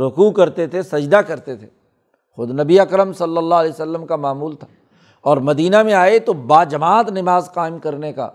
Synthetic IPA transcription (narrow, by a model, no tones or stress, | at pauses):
ɾʊkukɐɾt̪et̪ʰesɐd͡ʒd̪akɐɾt̪et̪ʰḛ | xʊd̪nɐbiɐkɾəmsɐlːəlːaɦlɛːsəlːəmkamaːmuːlt̪ʰḁː | ɔːɾmɐd̪iːnamẽaːet̪obaːd͡ʒɐmaːt̪nɪmaːzqaːɪmkɐɾneka̰ː